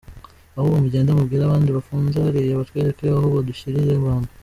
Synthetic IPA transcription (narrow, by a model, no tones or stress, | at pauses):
ahoβomuɟeːndamubɡiːɾaβaːndiβafuːnzaɾijaβatweɾakiiahoβoduçiɾijeβaːna